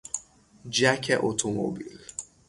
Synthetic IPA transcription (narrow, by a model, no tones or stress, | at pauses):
d͡ʒakʰɛʔotʰomo̰bḭl